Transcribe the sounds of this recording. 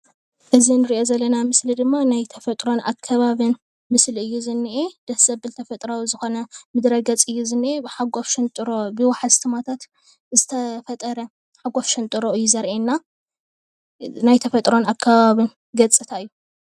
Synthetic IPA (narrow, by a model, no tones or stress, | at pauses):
ʔɨzinɨɾiʔo̞zɐlːɐnamɨslid̪ɨmːanajt̪ʰɐfɐt̪ʼɾo̞nʔa̰kʰːɐβaβɨn | mɨslɨjːuzɨnːiʔed̪̥ɐsz̥ɐbbɨlt̪ʰɐfɐt̪ʼɾawizɨxo̞nɐmɨd̪ɾɐɡɐt͡sʼɨjːuzɨnːiʔebɨħaɡofʃɨnt̪ʼɨɾobɨwaħazt̪ʰɨmat̪ʰat̪ | zɨt̪ʰɐfɐt̪ʼɐɾɐ | ħaɡofʃɨnt̪ʼɨɾoɨjːuzɐɾʔenːa | najt̪ʰɐfɐt̪ʼɾo̞nakʰːɐβaβɨn | ɡɐt͡sʼɨt̪ʰaɨjːu